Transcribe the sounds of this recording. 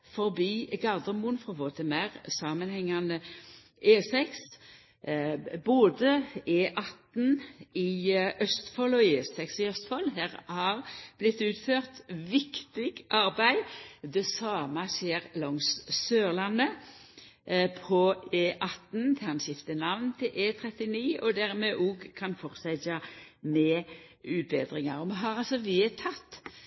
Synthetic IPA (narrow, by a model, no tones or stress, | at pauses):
fɔʁbiːɡɑʁd̪əmuːnfʁɔʋoːt̪ʰɪmæʁsɑːmənhɛŋːɑnə | eːsɛks | boːd̪əeːʔɑt̪n̩ɪʔœst̪fɔlɔeːsɛksɪœst̪fɔlɦæːʁhɑʁb̥lɪt̪ːʉːt̪føːʁt̪ʋɪkt̪ɪɡʔɑʁbæɪd̪ɛsɑːmɑseːʁlɔŋssøːʁlɑnːə | pʰɔeːʔɑt̪n̩t̪ʰɛɑnɕɪft̪ənɑʋnt̪ʰɪlʔeːt̪ʰʁɛt̪ɪniːɔd̪æʁmɛʔuːɡkʰɑnfɔʁsɛtɑmɛː | ʉːt̪̚bḛːd̪ʁɪŋɑʁɔmɛɦɑʁɑlsɔʋiːt̪ʰɑt̪ː